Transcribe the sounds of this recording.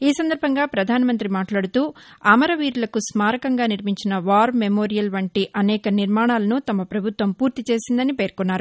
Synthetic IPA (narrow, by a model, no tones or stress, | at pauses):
iːsɐnd̪ɐɾbʱɐŋɡaːpɾɐd̪ʱaːnɐmɐnt̪ɾimaːʈlaːɽut̪uːɐːmɐɾɐʋiːɾulɐkusmaːɾɐkɐŋɡaːniɾmiɲt͡ʃinɐʋaːɾmemo̞ːɾijɐlʋɐɳʈiʔɐnɛːkɐniɾmaːɳaːlɐnut̪ɐmɐpɾɐbʱut̪ʋɐmpuːɾt̪it͡ʃe̞ːsind̪ɐnipe̞ːɾkunːaːɾu